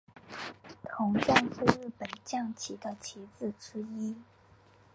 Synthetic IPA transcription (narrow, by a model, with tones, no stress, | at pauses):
t̪ʰʊ˧˥ŋʈ͡ʂa˥˧ŋʈ͡ʂu˥˧ɻɻ̩˥˩pə˨˩nt͡ɕjɑ˥˩ŋt͡ɕʰi˧˥d̪ə˧t͡ɕʰi˧˥t͡sɹ̩˥˩ʈ͡ʂɻ̩˥i˥